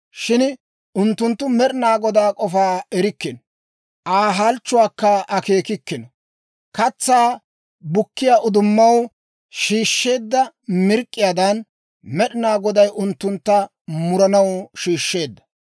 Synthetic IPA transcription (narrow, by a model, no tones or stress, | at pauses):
ʃɪn | ʊnt̪ːʊnt̪ːʊmɛɗɪnaːɡɔd̪aːkʼɔfaːɛɾɪkːɪn | ʔaːɦalt͡ʃːʊwaːkːɐɐkeːkɪkːɪnɔ | kɐt͡sːaː | bʊkːɪjaːʔʊd̪ʊmːɐw | ʃiːʃːe̞ːd̪ːɐmɪɾkʼːɪjaːd̪ɐn | mɛɗɪnaːɡɔd̪ɐjʔʊnt̪ːʊnt̪ːɐ | mʊɾɐnɐwʃiːʃːe̞ːd̪ːɐ̥